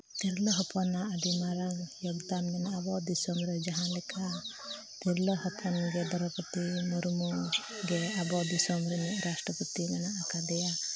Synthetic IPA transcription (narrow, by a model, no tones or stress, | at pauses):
k̪iɾlɔɦɔpɔnaaɖimaɾaŋjɔɡd̪amːɛnabɔd̪isɔmɾed͡ʒaɦãlɛkʰa | t̪iɾlɔɦɔpʰɔnɡed̪ɔɾɔpɔt̪imuɾmuɡeabɔd̪isɔmɾeniɾasʈɾɔpɔt̪imɛnaːkad̪ɛja